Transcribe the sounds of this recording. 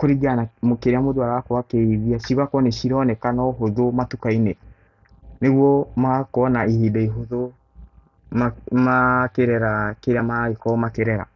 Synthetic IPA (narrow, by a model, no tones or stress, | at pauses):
koɾiɡanamokeɾeamodoaɾawakowakeiðiaʃiɾakɔnɛʃiɾɔnɛkanɔɦoðomatukaine | neɣwɔmakoɔnaihidaiɦoðo | mamakeɾɛɾakeɾjamaekɔmakeɾɛɾa̰